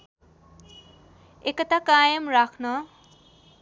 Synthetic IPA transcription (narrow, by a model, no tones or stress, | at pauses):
ekʌt̪ʰakajʌmɾakʰnʌ